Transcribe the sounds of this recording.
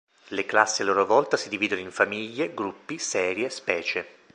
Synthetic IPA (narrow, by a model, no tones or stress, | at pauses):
leklasːialːoːɾovɔlt̪asid̪iviːd̪onoiɱfamiʎːeɡɾupːisɛːɾjespɛːt͡ʃe